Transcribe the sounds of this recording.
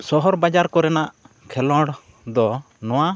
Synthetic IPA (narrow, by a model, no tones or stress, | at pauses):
sɔɦɔɾbad͡ʒaɾkɔɾɛnaʔ | kʰɛlɔ̃ɽ | d̪ɔ | nɔ̃wa